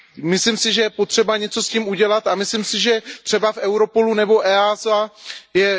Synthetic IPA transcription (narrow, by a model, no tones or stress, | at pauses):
mɪslimsɪʒɛjɛpo̞t̪r̝̥ɛbaɲɛt͡so̞sciːmuɟɛlat̪amɪslimsɪʒɛt̪r̝̥ɛbafʔɛwɾo̞po̞lunɛbo̞ʔɛːazajɛ